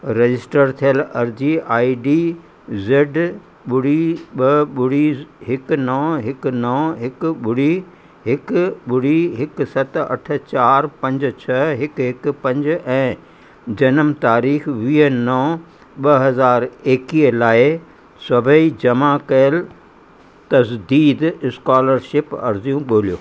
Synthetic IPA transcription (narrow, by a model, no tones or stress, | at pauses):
ɾɐd͡ʑɪsʈəɾt̪ʰijəlɐɾd͡ʑiʔaːiɖi | zɪɖ | ɓʊɽ̤iɓɐɓʊɽ̤iɦɪknɐ̃ɦɪknɐ̃ɦɪkɓʊɽ̤i | ɦɪkɓʊɽ̤iɦɪk̆sɐt̪ɐ̰ʈ̆ʰt͡ɕaːɾpɐ̃ɲd͡ʑʊ̆t͡ɕʰɐɦɪkɦɪkpɐ̃ɲd͡ʑɛ̃ː | d͡ʑɐnəmt̪aːɾiːxʋiːɦənɐ̃ | ɓɐɦɐzaːɾeːkilaːɪ | sɐbʱəid͡ʑɐmakɐjəl | t̪ɐzd̪iːd̪ɪskaːləɾʃɪpɐ̰ɾzijũɠoːlijoː